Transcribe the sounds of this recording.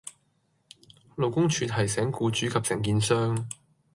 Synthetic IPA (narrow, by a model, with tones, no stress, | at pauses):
lo˨wkʊ˥ŋt͡ʃʰyː˧t̪̚ɦɐ˨˩jsɛː˨˥ŋkuː˧t͡ʃyː˨˥kʰɐ˨p̚sɪ˨˩ŋkiː˧nsœː˥ŋ